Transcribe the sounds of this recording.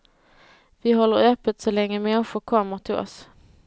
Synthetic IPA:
vɪɦɔlːəɾœpːət̪sɔlɛŋːəmɛnɧʊɾkʰɔmːəɾʈ̪ʰɪlɔ̰s

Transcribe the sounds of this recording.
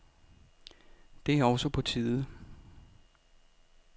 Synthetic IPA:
d̥e̝æɐɒ̽ʊsɒpʰɒ̽t͡sʰiːðˠə

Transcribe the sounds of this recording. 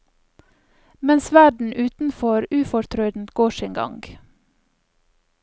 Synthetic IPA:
mɛnsʋæɖɳ̩ʔʉːt̪n̩fɔɾʉːfɔɾt̪ʰɾœʏd̪n̩t̪ɡ̥oːʃɪːŋɡɑ̰ŋɡ

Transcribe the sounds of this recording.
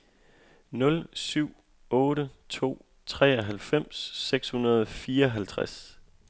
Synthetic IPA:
nɔ̽lsyʊ̰ | ɔ̽ːɾət͡sʰo̝̰ː | t͡sʰʁɛ̰ːɒɦælfem̰sːeɡ̥shunɐð̞ˠɒfiːɐɒɦælt͡sʰʁas

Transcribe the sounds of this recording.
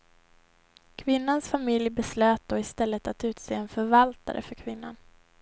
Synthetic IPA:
kʰvɪnːansfamɪljbɛsløːt̪̚d̪oːɪst̪ɛlːət̪at̪ʉ̟ːt̪seːɛnfœɾvalt̪a̰ɾʔə̰fœɾkʰvɪnːa̰n

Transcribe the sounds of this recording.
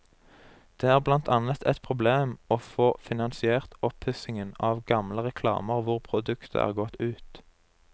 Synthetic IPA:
d̪̥eːæːʁblɑnt̪ʰɑnət̪ʰɛt̪pʰʁʊbleːmoːfoːfɪnɑnsɪeːʁt̪ɔphʏsɪŋənɑːʋɡɑmləʁɛkʰlɑ̰ːməʁʋʊʁpʰʁʊd̪ʉkt̪ʰə̰æ̰ːʁɡɔt̪ʉːt̪

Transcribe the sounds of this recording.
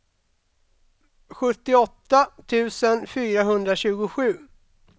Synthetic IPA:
ɧɵt̪ːɪɔt̪ːat̪ʰʉ̟ːsənfyːɾaɦɵnd̪ɾaɕʉ̟ːɡʊɧʉ̟ː

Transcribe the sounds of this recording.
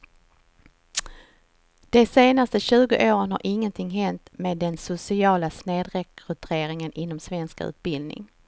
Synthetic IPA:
d̪̥ɛseːnast̪əɕʉ̟ːɡʊ̰ʔoːɾənha̰ɾʔɪŋːənt̪ʰɪŋːɦɛnt̪meːd̪ːɛnsʊsɪɑːlasneːd̪ɾɛkʰɾɵt̪ʰeːɾɪŋənʔɪnːɔmsvɛnskʉ̰ːt̪̚bɪld̪nɪ̰ŋ

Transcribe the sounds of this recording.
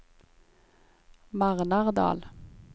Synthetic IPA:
mɑʁnɑʁd̪ɑ̰ːl

